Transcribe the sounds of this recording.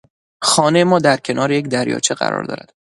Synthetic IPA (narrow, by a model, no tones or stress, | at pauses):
xɒːnejemɒːd̪æɾcʰe̞nʔɒːɾejecd̪æɾjɒ̰ːt͡ʃʰeɢæ̰ɾɒ̰ːɾd̪ɒ̰ːɾæ̰d̪̥